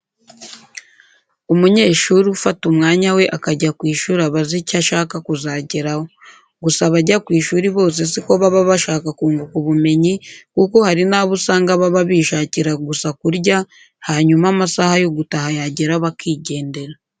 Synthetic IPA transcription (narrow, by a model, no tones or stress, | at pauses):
umuɲe̞ːʃuɾufatumŋaːɲawe̞ʔakaɟakwiːʃuːɾaβazicaʃaːkakuzaːɟeɾaho | ɡusaβaɟakwiːʃuːɾiβo̞ːs̬e̞s̬iko̞βaβaβaʃaːkakuːŋɡukuβume̞ɲikuko̞haɾinaβusaːŋɡaβaβaβiːʃaːciɾaɡusakuɾɟa | haːɲumamasahajo̞ɡutahajaɟeɾaβakiːɟe̞ːnde̞ɾa